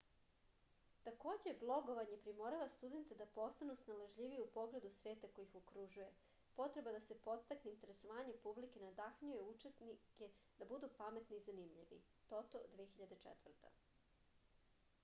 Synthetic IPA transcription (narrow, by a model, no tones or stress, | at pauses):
t̪ako̞ːd͡ʑe̞blˠo̞ɡo̞ʋaɲe̞pɾimoɾaʋast̪ud̪e̞nt̪ed̪apo̞st̪anusnalaʒʎiʋiupo̞ɡɾed̪usʋe̞ːt̪akojixokɾuʒuje̞ | po̞t̪ɾe̞bad̪ase̞po̞t̪st̪akneint̪e̞ɾe̞soʋaːɲepublike̞nad̪axɲujeut͡ʃe̞sniked̪̥abud̪upame̞t̪niːzanimʎiʋḭ | t̪o̞t̪od̪ʋijexiʎad̪et͡ʃɛ̰t̪ʋr̩t̪a̰